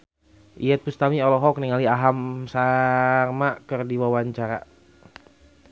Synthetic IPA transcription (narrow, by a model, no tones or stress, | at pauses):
ʔijɛt̪̚pust̪amiɔlɔɦɔk̚niŋaliaɦamsamakərdiwawaɲt͡ʃaɾa